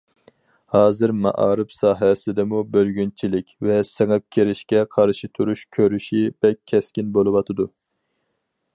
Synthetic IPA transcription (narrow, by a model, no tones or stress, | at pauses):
hɑːzɨɾmɑ̰ʔɑ̰ːɾɨpsɑːɦɛsɪd̪ɛmubølɡʲynt͡ʃʰilɪkʲvɛsɛŋɛp̚kʲʰeɾɪʃkʲɛqʰɑɾʃit̪ʰuɾuʃkʲʰøɾyʃib̥ɛkʲʰːɛskʲinbolˠɨwɑt̪ʰɨd̪u